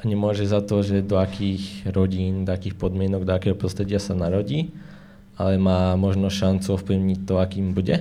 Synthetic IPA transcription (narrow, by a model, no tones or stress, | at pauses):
aɲɛmʊɔʒɛzat̪ɔʒɛd̪ɔakʰiːxɾɔɟiːnd̪ɔakiːxpɔd̪mɪɛnɔɡd̪ɔakɛːɦɔpɾɔst̪ɾɛɟɪasanaɾɔɟiː | alɛmaːmɔʒnɔʃant͡suɔfpliʊɲic̚t̪ːɔakiːmbuɟɛ